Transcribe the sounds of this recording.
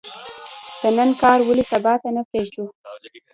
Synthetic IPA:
d̪̥ənənkɑɾwəlisabɑt̪anapɾeʒd̪u

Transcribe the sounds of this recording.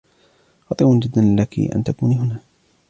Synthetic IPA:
xɑt̪ˤiːʔʊnd͡ʒɪd̪ːanlɪlakḭʔa̰nt̪akuːniɦʊnaː

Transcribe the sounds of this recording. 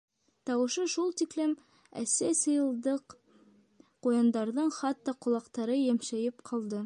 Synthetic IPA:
t̪ɑwɤ̆ʃɤʃulˠt̪iklɘm | æ̰sæsɤ̆jɤ̆lˠd̪ɤq | qujɑnd̪ɑɾðɤɴχɑt̪ːɑqŏlˠɑqt̪ɑɾɤjæmʃæjɘpqʰɑlˠd̪ɤ

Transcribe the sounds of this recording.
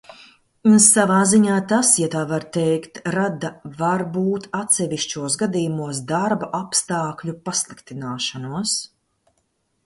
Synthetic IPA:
unsavaːziɲaːt̪asjat̪aːvaɾt̪ɛjkt̪ɾad̪avaɾbuːt̪at̪sɛviʃt͡ʃuɔsɡad̪iːjumuɔsd̪aɾbaʔapst̪aːkʎʲupaslˠikt̪inaːʃanuɔs

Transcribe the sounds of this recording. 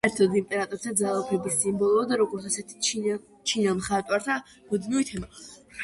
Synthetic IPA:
ɛɾt̪ʰɔd̪imp̪ʼɛnat̪ʼɔɾt̪ʰad̪zalˠɔpʰɛbisimbɔlˠɔd̪aɾɔɡɔɾt̪sʰasɛt̪ʰi̥ | t͡ʃʰinamχat̪ʼwaɾt̪ʰa | mud̪miuit̪ʰɛma

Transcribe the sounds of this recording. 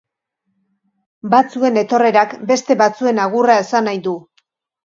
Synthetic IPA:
bat͡sue̞ne̞t̪o̞re̞ɾakbe̞st̪e̞βat͡sue̞naɣ̞urae̞sanajd̪u

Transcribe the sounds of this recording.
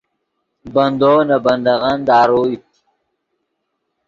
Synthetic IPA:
bɐnd̪oːnabɐnd̪aɣand̪aːɾoːit̪

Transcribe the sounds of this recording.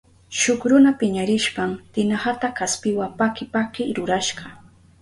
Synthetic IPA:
ʃʊkɾʊnapɪɲaɾɪʃpamt̪ɪnahat̪akaspɪwapakɪpakɪɾʊɾaʃɢɑ

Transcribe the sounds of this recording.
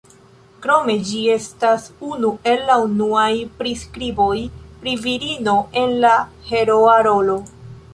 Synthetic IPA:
kɾo̞me̞d͡ʒie̞stasunue̞lːaunuajpɾiskɾibo̞jpɾiviɾino̞ʔe̞nla | he̞ɾoaɾo̞lo

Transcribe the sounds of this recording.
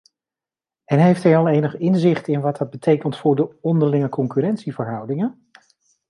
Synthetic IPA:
ɛnɦejftɦɛjɑlˠejnəχɪnzɪχtɪnʋɑt̚dɑd̚bətʰejkəntfʊːɹdəɔndəɹlɪŋəkɔŋkyrɛntsivəɹɦʌwdɪŋən

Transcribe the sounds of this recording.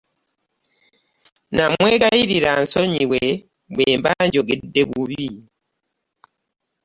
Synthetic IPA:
namwekajiɾiɾansoɲiwe | βweːmbaɲɟoɡedːeβuβi

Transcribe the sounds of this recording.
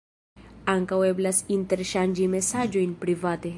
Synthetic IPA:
aŋkawe̞blasinte̞ɾʃand͡ʒime̞sad͡ʒo̞jnpɾivate̞

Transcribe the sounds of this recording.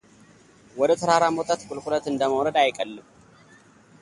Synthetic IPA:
wɔd̪ət̪ʰəɾaɾamot̪ʼat̪kʼʊlkʷʼulət̪ɨnd̪əməwɾəd̪ajkʼəlːɨm

